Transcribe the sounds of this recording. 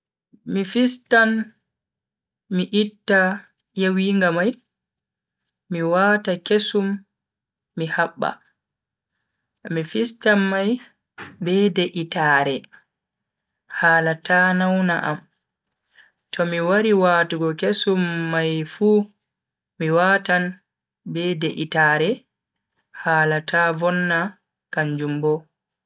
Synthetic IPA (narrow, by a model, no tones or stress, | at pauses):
mifistan | miʔitːa | jawiːŋɡamaj | miwatakesumː | ihaɓːa̰ | mifistanmaj | bɛdeʔitaːɾɛ | haːlatʰaːnawna̰ʔa̰m | tʰɔmiwaɾiwaːtuɡɔkesumːajfuː | miwatan | bɛdeʔitaːɾɛ | haːlatʰavɔnːa | kaɲd͡ʒumbɔ